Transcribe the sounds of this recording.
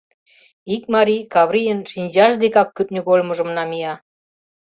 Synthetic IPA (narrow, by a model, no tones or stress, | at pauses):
ik̚mɑɾʲikɑβɾʲijənʃinʲd͡ʑɑʒd̪ekɑkːyt̪̚nʲyɣolʲmə̆ʒə̆mnɑmijɑ